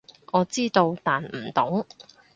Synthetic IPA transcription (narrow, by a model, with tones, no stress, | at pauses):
ʔɔː˨˧t͡siː˥t̪o˧wt̪aː˨nm̩˨˩t̪ʊ˨˥ŋ